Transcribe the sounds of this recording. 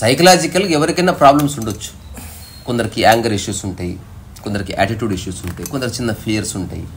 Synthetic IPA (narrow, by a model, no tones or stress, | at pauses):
sɐjkɐlaːd͡ʒikɐlɛʋɐɾikɐjnːapɾaːblɐmsuɳɖot͡ʃːu̥ | kond̪ɐɾikiaːŋɡɐɾiʂjuːsuɳʈaːjḭ | kond̪ɐɾikiʔa̰ːʈiʈjuːɖiʂjuːsuɳʈaːjikond̪ɐɾt͡ʃinːɐpʰijɐɾsuɳʈa̰ːjḭ